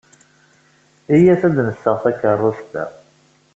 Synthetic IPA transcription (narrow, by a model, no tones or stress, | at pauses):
ijæθæd̪nəsːəʁθækːərˤːʊst̪æ̰